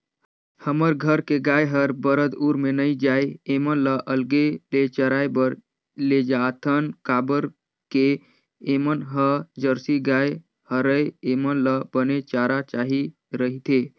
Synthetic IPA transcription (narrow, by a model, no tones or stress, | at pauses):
həməɾɡʱəɾkeɡajɦəɾbəɾət̪uɾmenəid͡ʒaeemənləʔəlɡelet͡ʃəɾajbəɾ | led͡ʒat̪ʰənkabəɾ | keː | mənɦəd͡ʒəɾsiɡaj | həɾəjemənləbənet͡ʃaɾat͡ʃaɦi | ɾəɦit̪ʰe